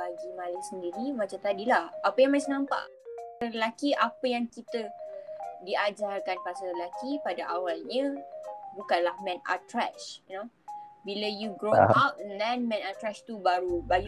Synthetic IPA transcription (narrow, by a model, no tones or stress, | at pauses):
aɡimalasəndiɾimat͡ʃamt̪adilahʔapəjãŋmat͡ʃanãmpa̰ʔ | ɾəlakiʔapəjaŋkit̪ə | diad͡ʒarkanpasəɾəlakipadaʔawalɲãbukanlahmɛ̃na̰t̪ɾɛt͡ʃno | bilajuɡɾoap̚dɛnmɛ̃nat̪ɾɛt͡ʃt̪ubaɾubaɡi